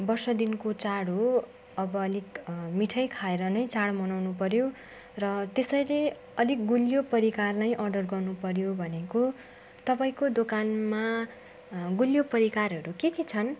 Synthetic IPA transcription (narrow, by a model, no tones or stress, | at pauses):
bʌrsʌd̪inkot͡saɽo | ʌbʌːlikmiʈʰʌjkʰaeɾʌnʌjt͡saɽmʌnawnupʌɾjo | rʌt̪esʌjle | ʌlik̚ɡuljopʌɾikarnʌjʔʌrɖʌrɡʌrnupʌɾjobʱʌneko | t̪ʌpaĩkod̪okanma | ɡuljopʌɾikaɾɦʌɾukeket͡sʰʌn